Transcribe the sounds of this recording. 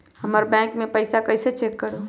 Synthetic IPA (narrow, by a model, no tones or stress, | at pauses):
həməɾbɛ̃kmẽpəɪsakəɪset͡ʃekːəɾo